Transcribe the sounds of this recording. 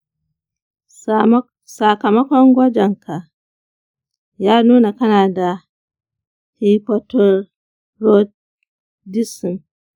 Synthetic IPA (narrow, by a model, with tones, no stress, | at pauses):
sa˨kɐ˨mɐ˦kʷɔ˦ŋɡʷɐ˦d͡ʒɛ˨ŋkʰa˨ | jaː˦nuː˦na˨kɐ˦naː˨da˨ | hi˦pɔ˦tɔ˦ | ɾɔ˦d̚ | di˦si˨n